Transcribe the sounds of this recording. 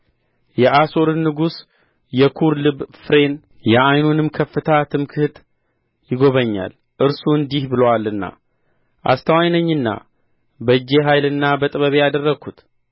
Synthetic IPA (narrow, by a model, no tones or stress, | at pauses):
jɛʔaso̞ɾɨnːɨɡus | jɛkʰuɾlɨbfɾe̞n | jɛʔajnunɨmkʰəfːɨt̪ʰat̪ʰɨmkʰɨht̪ | jɪɡoβəɲːa̰l | ʔɨɾsuɨnd̪ihbɨləwalɨnːa̰ | ʔa̰st̪ʰəwajnəɲːɨnːa̰ | bəd͡ʒe̞ɦajlɨnːabət̪ʼɨβəβejad̪ərːəɡʰut̪